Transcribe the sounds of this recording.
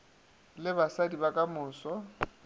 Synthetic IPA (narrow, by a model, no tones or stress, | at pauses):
lɪbasadibakʼamʊːsɔ